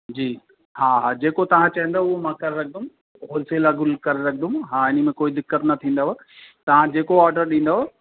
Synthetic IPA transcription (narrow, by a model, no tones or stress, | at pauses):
d͡ʑiː | haːɦaːd͡ʑeːkot̪ɐʋ̤ãt͡ɕɐɦə̃nd̪oʊɦomãːkɐɾeɾɐk̚ʰd̪ʊm | ɦoːlselaɡʊlkɐɾeɾɐkʰd̪ʊmɦaːɪnə̆mẽkoːid̪ɪkːət̪nɐt̪ʰĩːnd̪aɦo | t̪ɐʋ̤ãd͡ʑeːkoaːɾɖəɾɗĩːn̆d̪aɦo